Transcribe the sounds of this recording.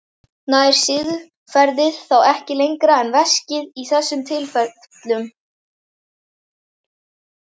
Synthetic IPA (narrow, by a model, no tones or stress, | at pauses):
naðɪɾ̥sɪðʏ | fɛɾðɪð̥θawɛhcɪlejŋkɾaɛnvɛscɪðiθɛsːʏmt̪ʰɪlfɛ | t̪lʏm